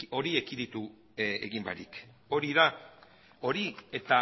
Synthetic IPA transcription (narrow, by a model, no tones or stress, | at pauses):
o̞ɾie̞kiðit̪u | ḛɣimba̰ɾik | oɾiða | o̞ɾie̞t̪a